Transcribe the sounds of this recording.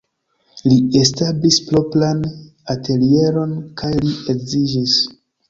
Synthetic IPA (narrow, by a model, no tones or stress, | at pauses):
lie̞stablisplo̞plan | atʰe̞lie̞ɾo̞nkajlie̞kzid͡ʒis